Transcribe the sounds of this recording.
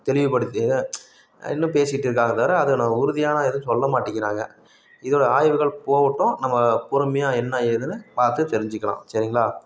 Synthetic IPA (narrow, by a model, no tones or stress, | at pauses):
t̪ɛɭɪʋɯpɐɽɯt̪ːɯ | ɪ̰nːɯ̃peːsɪɪʈːɪɾɯk̬ːaːɣɐt̪ɐɾɐɐðɯnɐmːɐʊɾʊðɪjaːnaɛðɯ̃s̬ɔlːɐmaːʈːɪkːɪɾaːŋɡɐ | ɪðoːɽɐaːjʋɯɣɐɭpoːʋʈːʊ̃nɐmːɐpʊɾɯmɐjaːɛnːɐeðɯnɯpaːɾt̪ɯt̪ɛɾɪɲd͡ʒɯkːɐɭã̰ːsɐɾɪŋɡɐɭaː